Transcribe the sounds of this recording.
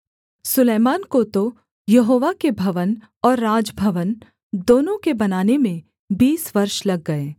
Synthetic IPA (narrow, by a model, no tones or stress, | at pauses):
sʊleːmaːnkot̪o | jɐɦoːʋakebʱɐʋən | ɔːɾːaːd͡ʒbʱɐʋən | d̪oːnõkebɐnaːnemẽ | biːsʋɐɾʃlɐɡːɐeː